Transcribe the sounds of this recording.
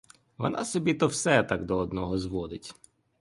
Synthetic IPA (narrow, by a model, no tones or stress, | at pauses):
ʋɔ̰nɑ̰sɔbʲit̪ɔwsɛt̪ɑɡd̪ɔːd̪nɔɦɔzʋɔd̪ɪtʲ